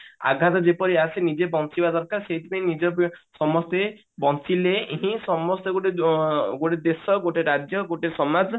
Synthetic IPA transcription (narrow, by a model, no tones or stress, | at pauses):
a̰ɡʱat̪ɔd͡ʒepɔɾiasenid͡ʒebɔnt͡ʃibad̪ɔɾkaɾsejt̪ibẽnid͡ʒɔsɔmɔst̪e | bɔnt͡ʃileeɦĩsɔmɔst̪eɡoʈeɡoʈed̪esɔɡoʈeɾad͡ʒjɔɡoʈesɔmad͡ʒ